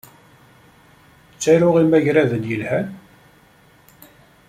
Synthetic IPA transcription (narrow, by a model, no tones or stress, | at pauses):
t͡sːæɾʊʁimæʝɾæðənjəlhæn